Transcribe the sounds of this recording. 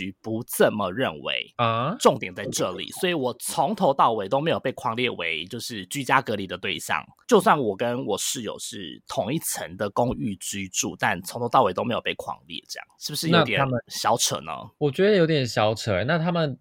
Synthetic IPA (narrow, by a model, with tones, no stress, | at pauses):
y˧˥pu˧˥t͡sə˥˩mə˨ɻə˥˩nwḛ˧˥ɪə˩ʈ͡ʂʊ˥˩ŋt̪jɛ˨˩nt͡sa˥˧ɪʈ͡ʂɤ˥˩lḭ˨˩swɔ˧˥i˧˥wɔ˨˩t͡sʰʊ˧˥ŋt̪ʰo˧˥ʊt̪ɑ˥˩ʊwe˧˥ɪt̪o˥ʊme˧˥ɪjo˨˩pe˥˩ɪkʰwɑ˧˥ŋljɛ˥˩we˧˥ɪt͡ɕjo˥˧ʊʂɻ̩˥˩t͡ɕy˥t͡ɕja˥kɤ˧˥li˨˩d̪ə˩t̪we˥˧ɪɕjɑ̰˨˩ŋt͡ɕjo˥˧ʊswa˥˩nwɔ˨˩kə˦nwɔ˨˩ʂɻ̩˥˩jo̰˨˩ʊʂɻ̩˥˩t̪ʰʊ˧˥ŋi˥˩t͡sʰə˧˦ŋd̪ə˨kʊ˥ŋy˥˩t͡ɕy˥ʈ͡ʂṵ˥˩t̪a˥˩nt͡sʰo˧˥ŋt̪ʰo˧˥ʊɑ˥˩ʊwe˧˥t̪o˥me˧˥jo˨˩pe˥˩ɪkʰwɑ̰˧˥ŋljɛ̰˥˩ʈ͡ʂɤ˥˩jɑ̰˥˩ŋʂɻ̩˥˩bu˩ʂɻ̩˥˩jna˥t̪jɛ˨a˥mə˨ɕjɑ˧˥ʊʈ͡ʂʰə̰˨˩˦nə̰˦wɔ˨˩t͡ɕɥɛ˧˥d̪ə˧˨jo˧ʊt̪jɛ˨˩nɕjɑ˧˥ʊʈ͡ʂʰə˨˩na˥˨t̪ʰa˥mə˨n